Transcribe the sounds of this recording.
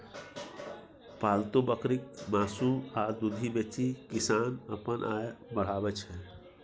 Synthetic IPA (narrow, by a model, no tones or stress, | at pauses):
paːlt̪obəkɾɪk̚maːsuaːɾd̪ud̪ʱibet͡ʃikɪsaːnəpənʔaːjməɽ̤aːbət͡ʃʰɦɛː